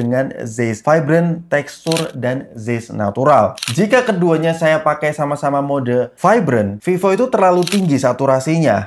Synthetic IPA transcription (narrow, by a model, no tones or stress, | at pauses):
əŋanzesfajbɾənt̪ɛkst̪ʊrdanzesna̰t̪uɾald͡ʒikakəduaɲasajapakajsamasamamodɛlfajbɾənfifoit̪ut̪ərlalut̪iŋɡisat̪uɾasiɲa